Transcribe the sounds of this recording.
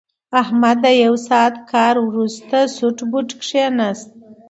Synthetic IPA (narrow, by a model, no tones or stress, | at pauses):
ahmad̪ːəjawsɑt̪kʰɑɾwɾust̪asuʈbuʈkʂenast̪̚